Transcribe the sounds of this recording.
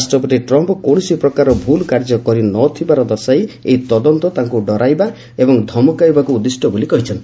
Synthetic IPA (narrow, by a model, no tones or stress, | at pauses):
sʈɔpɔt̪iʈɾɔmpɔkõsipɾɔkaɾɔbʱulkaɾd͡ʒɔkɔɾinɔt̪ʰibaɾɔd̪ɔsajḛjt̪ɔd̪ɔnt̪ɔt̪aŋkuɖɔɾajba | ebɔŋd̪ʱɔmɔkajbakuːd̪isʈɔbolikɔɦit͡ʃʰɔnt̪i